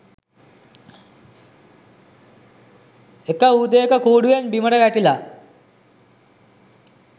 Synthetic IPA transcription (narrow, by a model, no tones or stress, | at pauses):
ekəuːd̪əekəkuːɖujenbiməʈəɡæʈila